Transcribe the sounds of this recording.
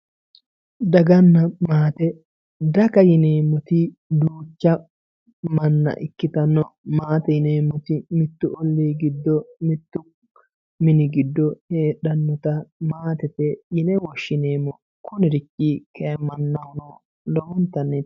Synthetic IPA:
d̪ɐɡɐnːɐmaːt̪ɛ | d̪ɐkɐjɪneːmːɔt̪ɪ | d̪uːt͡ʃːɐ | mɐnːɐ̰ʔɪkːɪt̪ɐnːɔmaːt̪ɛjɪneːmːɔt̪ɪmɪt̪ːʊʔɔlːiɡɪd̪ːɔmɪt̪ːʊ | mɪnɪɡɪd̪ːɔheːᶑɐnːɔt̪ɐmaːt̪ɛt̪ɛjɪnɛwɔʃːɪneːmɔ | kʊnɪɾɪkʼːikʰɛɐmːɐnːɐhʊnɔ | lɔʊnt̪ːɐnːɛ

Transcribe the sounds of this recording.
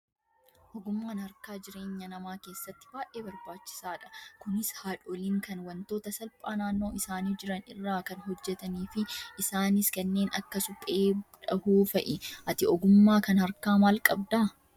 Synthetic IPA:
ʔɔɡʊmːaːnhɐɾkaːd͡ʒɪɾe̞ːɲːɐnɐmaːke̞ːsːɐt̪ːɪ̥baːʔeːbɐɾbaːt͡ʃːɪ̥saːᶑɐ̥kʊnɪshaːᶑoːliːŋkɐnwɐnt̪o̞ːt̪ɐsɐlpʼaːnaːnːo̞ːɪsaːniːd͡ʒɪɾɐnɪrːaːkɐnɦɔd͡ʒːɛt̪ɐniːfɪʔɪsaːnɪskɐnːe̞ːnɐkːɐsʊpʼeːbᶑɐhuːfɐʔɪʔɐt̪ɪɔɡʊmːaːkɐnhɐɾkaːmaːlkʼɐbd̪aː

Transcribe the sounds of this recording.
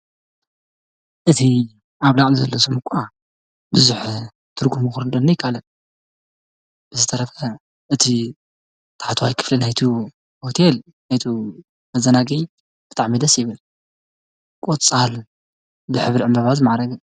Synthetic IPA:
ʔɨt̪ʰi | aβlaʔʼmzɐlːosomɨkʷʼa | bɨzuħ | t̪ʰɨɾɡumuxuɾɨd̪ɐnːɐjɪkʰːalɐ | b̥ɨzɨt̪ʰɐɾɐfɐ | ʔɨt̪ʰi | t̪ʰḁħat̪ʰwajkʰɨ̥flinajt̪ʰu | hot̪ʰel | najt̪ʰu | mɐzɐnaɡij | b̥ɨt̪ʼaʕmid̪ɐsjɪβɨl | kʼot͡sʼal | bɨħɨβlʕɨmbaβazmaʕɾɐɡɐ

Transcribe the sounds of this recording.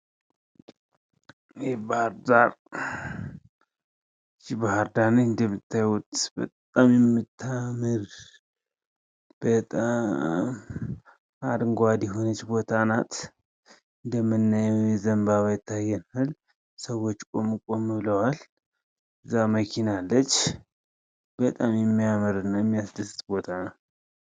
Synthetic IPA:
jɛbaaɾd̪aɾ | t͡ʃibahaɾd̪anəɨnd̪əmːɨt̪ʰːajwʊt̪bət̪ʼamjɛmːɨt̪ʰːamɨɾ | b̥ət̪ʼam | ad̪ɨŋɡoad̪jɛɦonət͡ʃːbo̞t̪ʰanat̪ | ɨnd̪əmːɨnːajɛwjɛzəmbaβajɪt̪ʰːajːɛnal | səwo̞t͡ʃːkʼo̞mɨkʼo̞mɨβləwal | ɨzːaməkʰinalːət͡ʃː | b̥ət̪ʼamjɛmːijamɨɾɨnːajɛmːijasd̪ɨsɨt̪bo̞t̪ʰanəw

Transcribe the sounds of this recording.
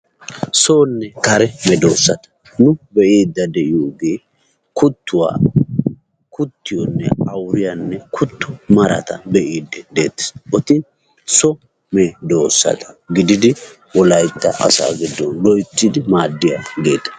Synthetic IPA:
soːnːɛkɐɾɛmɛd̪o̞ːsːɐt̪ɐ̥ | nʊbɛʔiːd̪ːɐd̪ɛʔɪjoːɡeː | kʰʊt̪ːʊwa̰ | kʊt̪ːɪjɔnːɛɐwɾɪjanːɛkʰʊt̪ːʊmɐɾɐ̰t̪ɐbɛʔiːd̪ːɛd̪e̞̰ːt̪ːɛ̥sɔt̪ɪ | sɔ | mɛd̪o̞ːsːɐ̰t̪ʰɐ̥ɡɪd̪ɪd̪ɪ | wɔlɐjt̪ːɐ̰ʔɐ̰sa̰ːɡɪd̪ːɔnlɔjt͡sʼːɪd̪ɪmaːd̪ːɪjaɡe̞̰ːt̪ːɐ̥

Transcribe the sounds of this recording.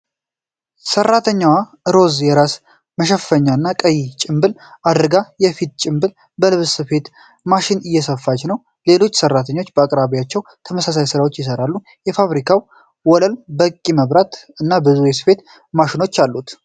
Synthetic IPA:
sərːat̪ʰəɲːawa | ɨɾo̞zjɛɾas | məʃ̬ɛffəɲːaɨnːakʼəjit͡ʃʼɪmbɨlad̪ɾɡajɛfit̪̚t͡ʃʼɪmbɨl | bəlɨβsɨfe̞t̪ | maʃɪnɨjːɛsəfːat͡ʃnəw | le̞lo̞t͡ʃːsərːat̪ʰəɲːo̞t͡ʃːbəakʼɾaβiat͡ʃːɛwt̪ʰəməsas̬ajsɨɾawo̞t͡ʃːjɪs̬əɾalːu | jɛfaβɾikʰaw | wɔləlbəkʼːiməβɾat̪ɨnːabɨzuesɨfe̞t̪ | maʃɪno̞t͡ʃːalːut̪

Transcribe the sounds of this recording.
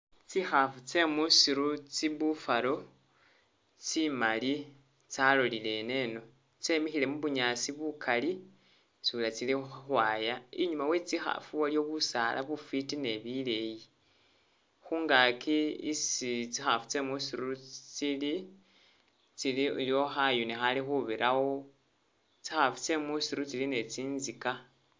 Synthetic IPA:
t͡sixafut͡se̞musiɾut͡siβufalo̞ | t͡simali | t͡salolile̞ne̞no̞ | t͡se̞mixile̞muβuɲasiβukʰali | sulat͡silixuxwaːjaiɲumawe̞t͡sixa̰fuwaljo̞βusalʔa̰βufitine̞βile̞ji | xuːŋɡakʰiisit͡sixafu̥t͡se̞musiɾut͡sili | t͡siliiljo̞xajunexalixuβiɾʔawo̞ | t͡sixafu̥t͡se̞musiɾut͡siline̞t͡siːnzika

